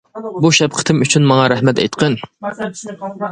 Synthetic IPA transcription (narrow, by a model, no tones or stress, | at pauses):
buʃɛp̚qʰə̥t̪ʰɨmyt͡ʃʰynmɑŋɑɾɛhmɛt̪ɛ̰jt̪qʰən